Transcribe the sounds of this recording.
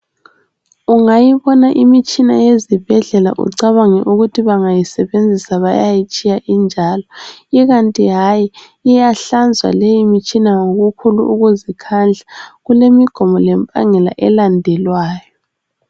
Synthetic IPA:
uŋajiβɔnaʔimit͡ʃʼina̰jezib̥ʱɛɮɛla̰ʔṵǀaβaŋɛ̰ʔuɣutʰiβaŋajisɛβend͡zʱisaβa̰jajit͡ʃʼijaʔind͡ʒʱalɔiɣantʼiɦaji | ijaɬand͡zʱwa̰lejimit͡ʃʼinaŋoɣukʰuluʔuɣuzikʰand͡ɮʱaɣulemiɡ̥ʱɔmɔlɛmpʼa̰ŋɛla̰ʔɛlandʱɛlwaːjɔ

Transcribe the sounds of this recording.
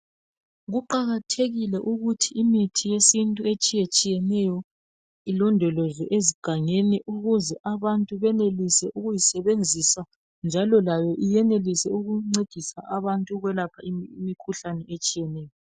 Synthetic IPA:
ɣuǃaɣatʰeɣilɛʔuɣutʰiimitʰijesintʼuet͡ʃʼijet͡ʃʼijɛnɛjɔ | ilɔndʱɔlɔzɔʔeziɡ̥ʱaŋeniʔuɣuzɛʔaβantʼuβɛnelisɛʔuɣujisɛβend͡zʱisa | nd͡ʒʱalɔlajɔʔijɛnelisɛuɣuŋ͡ǀed̥ʱisa̰ʔaβantʼuɣwɛlapʰaiimikʰuɬanɛet͡ʃʼijɛnɛːjɔ

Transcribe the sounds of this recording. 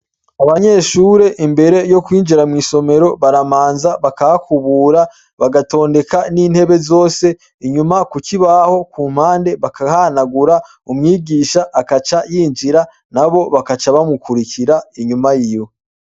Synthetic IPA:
aβaɲe̞ʃuːɾe̞ʔimbe̞ɾe̞jo̞kwiːnd͡ʒiɾamŋiːso̞me̞ɾo̞βaɾamaːnzaβakahakʰuβuːɾa | βaɡato̞ːnde̞kaniːn̥he̞βe̞zo̞ːse̞ | iɲumakuciβaho̞kuːm̥haːnde̞βakahanaɡuɾa | umŋiːɡiːʃaʔːkat͡ʃajiːnd͡ʒiɾa | naβo̞βakat͡ʃaβamukʰuɾikiɾaiɲumajijo̞

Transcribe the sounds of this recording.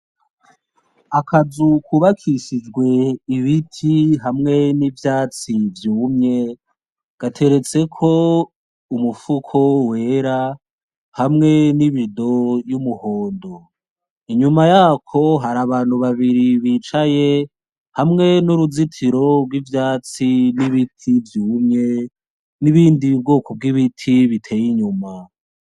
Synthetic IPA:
akʰazukʰuβakʰisid͡ʒɡwe̞iβitʰiɦamŋe̞nivjaːt͡sivjuːmɲe̞ | ɡ̥atʰe̞ɾe̞t͡se̞kʰo̞ | umufukʰo̞we̞ːɾa | hamŋe̞niβido̞jumuhoːndo | iɲumajaːkʰo̞ɦaɾaβaːn̥huβaβiɾiβit͡ʃaje̞ | hamŋe̞nuɾuzitʰiɾo̞bɡwivjaːt͡siniβitʰivjuːmɲe | niβiːndib̚ɡoːkob̚ɡiβitʰiβitʰe̞ːjiɲuma

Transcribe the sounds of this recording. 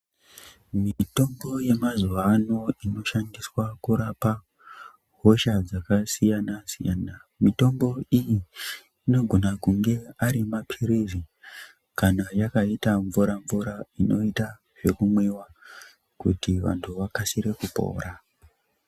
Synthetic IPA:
miito̞mbo̞je̞mazuʋano̞ino̞ʃandiswakuɾapa | ɦo̞ʃad͡zakasijanasija̰ːnamito̞mbo̞ijiː | no̞ɡʱo̞nakuŋɡe̞aɾimapʰirizi | kanajakaitaɱvuɾaɱvuɾaino̞ita | ʐe̞kumwewa | kṵtiʋa̰ntʰuʋakasiɾe̞kupo̞̰ːra

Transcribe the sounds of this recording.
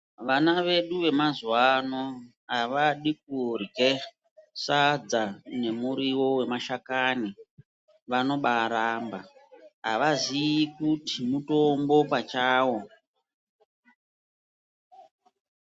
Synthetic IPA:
ʋanaʋe̞ɗuʋe̞mazwano | ɦaʋaɗik̚urɡe | sad͡zane̞muɾiwo̞we̞maʃakani | ʋano̞ɓaɾaːmba̰aʋaziikutimuto̞mbo̞pat͡ʃaːwo̞

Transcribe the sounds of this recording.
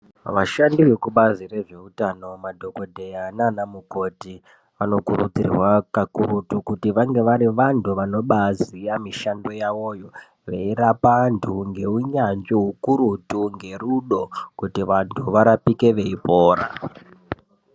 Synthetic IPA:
ʋaʃandiʋe̞kuɓazire̞ʐe̞utano̞madʱo̞ko̞dʱe̞jananamuko̞ti | ʋano̞kuɾud͡zirwakakuɾutukutiʋaŋɡe̞ʋaɾiʋantuʋano̞ɓaziamiʃando̞jaʋo̞ːjo̞ | ʋe̞iɾapantʰuŋɡe̞uɲand͡ʒiɦukuɾutuŋɡe̞ruɗo̞kutiʋantʰuʋaɾapike̞ʋe̞ipoːɾa̰

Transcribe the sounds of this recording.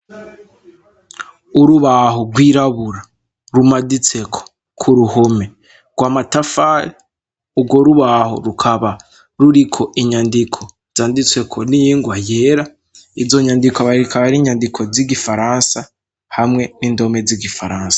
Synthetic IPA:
uɾuβahoɡwiːɾaβuɾa | ɾumadit͡se̞kʰo̥ | kʰuɾuhome̞ | ɡ̥waːmatafaɾe | ubɡo̞ɾuβaho̰ɾukʰaβa | ɾuɾikʰo̞ʔiɲandikʰo̞ | z̥aːndit͡swe̞kʰonijiːŋɡwaje̞ːɾa | izo̞ɲandikaβaɾikʰaβaɾiːɲandikʰo̞ziɡifaɾansa | hamŋe̞niːndo̞me̞ziɡifaɾaːnsḁ

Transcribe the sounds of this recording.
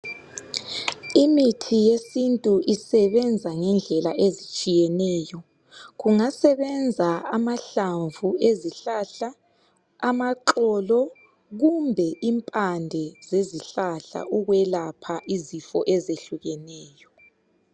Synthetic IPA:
imitʰijesintʼuʔisɛβɛnd͡zʱaŋɛnd͡ɮʱɛlaʔezit͡ʃʼijɛnɛːjɔ | ɣuŋasɛβɛnd͡zʱaamaɬaɱvueziɬaɬaː | maǃɔlɔ | ɣumbʱɛʔimpʼandʱɛzeziɬaɬa̰ʔuɣwɛlapʰaʔizifɔ̰ʔɛzeɬuɣɛnɛːjɔ

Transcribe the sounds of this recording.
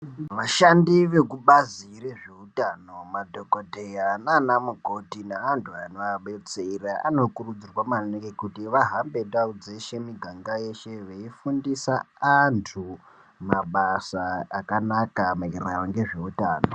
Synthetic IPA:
ʋaʃandiʋe̞kuɓazireʐe̞utaːno̞madʱokodʱejananamuɡʱo̞tinaːntʰuanoaɓet͡seiraa̰no̞kurud͡zirwamanekekutiʋaɦambe̞daud͡zeʃe̞miɡʱaŋɡaje̞ʃe̞ʋeifundisa | antʰu | maɓasaːkanakamairawaŋɡe̞ʐe̞utaːno

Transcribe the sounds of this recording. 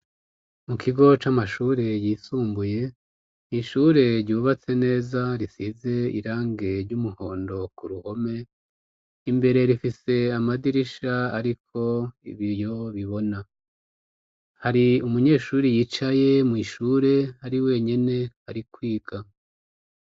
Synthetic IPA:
mukʰiɡo̞t͡ʃamaʃuːɾe̞jiːsuːmbuje̞ | iʃuɾe̞ɾɟuːβat͡se̞ne̞ːzaɾisize̞ḭɾaːŋɡe̞ɾɟumuho̞ːndo̞kuɾuho̞me̞ | imbe̞ɾe̞ɾifise̞amadiɾiʃaaɾikʰo̞ḭβijo̞βiβo̞na | haɾiumuɲe̞ːʃuːɾijiːt͡ʃaje̞mwiːʃuːɾe̞haɾiwe̞ɲe̞ne̞haɾikwiːɡ̥a

